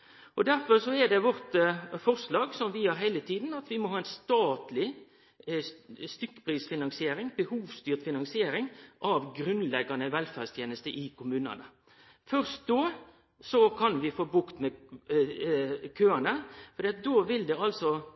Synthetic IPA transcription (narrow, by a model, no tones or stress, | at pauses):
ʔɔd̪æɾfɔɾsɔɛd̪ɛʋɔɾt̪fɔɾslɑːɡsɔmʋɪhɑɾɦæɪlət̪ʰiːd̪n̩ɑt̪ʋɪmɔhɑːɛnst̪ɑːt̪lɪ | st̪ʏkːə̥pʰɾiːsfɪnɑnsɪeːɾɪŋbəhuːʋst̪yːɾt̪fɪnɑŋsɪeːɾɪŋʔɑʋɡɾʉnlɛɡɑnəʋɛlfæʁst̪ʰjeːnəst̪əʔɪkʊmʉːnɑ̰nə | fœɾst̪̚d̪oː | sɔkʰɑnʋɪfoːbʉkt̪mɛ | kʰøːənəfɔɾd̪iːɑt̪̚d̪oːʋɪld̪ɛɑlsɔ